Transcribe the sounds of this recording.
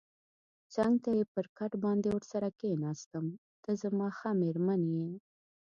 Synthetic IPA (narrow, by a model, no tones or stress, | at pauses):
t͡saŋɡt̪ajepəɾkaʈbɑnd̪ewəɾsaɾakenɑst̪əm | d̪̥əzamɑxameɾmanjen